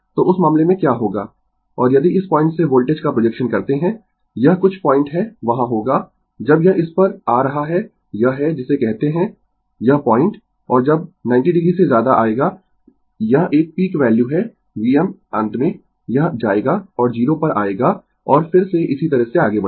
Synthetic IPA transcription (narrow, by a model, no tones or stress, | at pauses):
t̪oːʊsmãːmlemẽkjaːɦoːɡaː | ɔːɾjɐd̪iɪspɔ̃ːɪ̃ɳʈseboːlʈeːd͡ʒkapɾod͡ʒɛkʃənkɐɾt̪eɦɛ̃ | jɐɦkʊt͡ʃʰpɔ̃ːɪ̃ɳʈɦɛʋɐɦãɦoːɡaː | d͡ʒɐbjɐɦɪspɐɾaːɾɐɦaɦɛ | jɐɦɛd͡ʒɪsekɛɦt̪eɦɛ̃ | jɐɦpɔːɪ̃ɳʈ | ɔːɾd͡ʒɐbnãːɪɳʈiɖɪɡɾisezjaːd̪aʔaːeːɡaː | jɐɦʔeːk̚piːkʋɛːljuɦɛ | ʋiːɛmɐ̃nt̪mẽ | jɐɦd͡ʒaːeːɡaɔːɾd͡ʒiːɾopɐɾʔa̰ːeːɡa | ɔːɾfɪɾseʔɪsit̪ɐɾəɦseaːɡebɐ